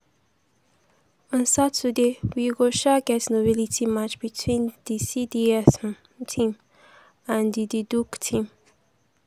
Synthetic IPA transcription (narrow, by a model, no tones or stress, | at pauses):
ɔ̃nsatːudewiɡoʃaɡɛtsnobilitʰimat͡ʃbitʰwĩnd̪̥isidiɛsm | tʰĩm | ãnd̪id̪iduktʰĩm